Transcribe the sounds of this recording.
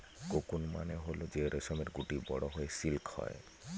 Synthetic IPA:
kokunma̰neɦolod͡ʒeɾesɔmeɾɡuʈibɔɽɔɦojesilkʰhɔ̰j

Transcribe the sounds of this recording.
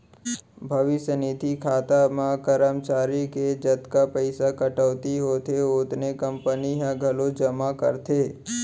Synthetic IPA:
bʱəʋɪʃjənit̪ikʰaːt̪amãkəɾəmt͡ʃaːɾiked͡ʒət̪kapəɪsakəʈəʋt̪iɦot̪ʰeot̪nekəmpəniɦãɡʱəlod͡ʒəmakə̰ɾt̪ʰe

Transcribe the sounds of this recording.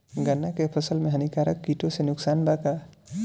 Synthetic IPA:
ɡənːakepʰəsəlmẽɦɐnikaːɾəkːiʈõsenʊksaːnbaka

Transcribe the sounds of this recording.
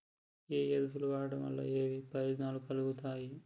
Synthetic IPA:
eːjɐd̪utuluʋaːɐɽɐmɐ̰lːa̰eːʋipɐjoːd͡ʒnaːlukɐluɡut̪aːji

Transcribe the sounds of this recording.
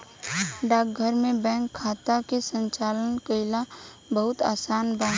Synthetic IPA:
ɖaːk̚ɡʱəɾmẽbɛ̃ːŋkʰːaːt̪akesə̃ɲt͡ʃaːlənkəɪla | bəɦʊt̪aːsaːnbãː

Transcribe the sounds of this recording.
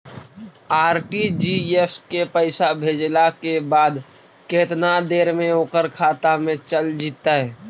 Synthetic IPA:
aːɾʈid͡ʒieskepəɪsabʱeːd͡ʒlakebaːd̪ | keːt̪nad̪eːɾmẽoːkəɾkʰaːt̪amẽt͡ʃəld͡ʒiːt̪aɦɛː

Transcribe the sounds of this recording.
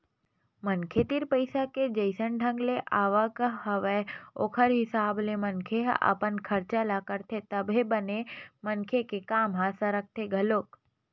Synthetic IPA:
mənkʰet̪iɾpəɪsaked͡ʒəɪsənɖʱə̃ŋɡleʔaːʋakəɦɐʋeo̰ːkʰəɾɦɪsaːblemənkʰeɦə̰pənkʰɐɾt͡ʃalakəɾt̪ʰet̪əbʱebənemənkʰekekaːmɦaːsaɾək̚t̪ʰeɡʱɐloːk

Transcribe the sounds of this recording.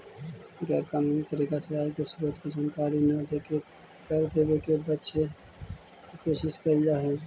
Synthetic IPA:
ɡɛːɾkanik̪əɾikaseaːkesʊɾot̪kid͡ʒənkaːɾinad̪eke | kəɾd̪eːʋekebətːʃʰe | ikoːʃɪʃkəɾd͡ʒaɦɛː

